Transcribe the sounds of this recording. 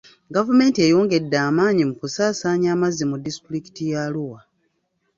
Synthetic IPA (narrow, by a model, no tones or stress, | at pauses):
ɡavume̞ːntie̞joːŋɡe̞dːaːmaːɲimukusaːsaːɲaːmazːimudisi̥tuɾiki̥tijaluwa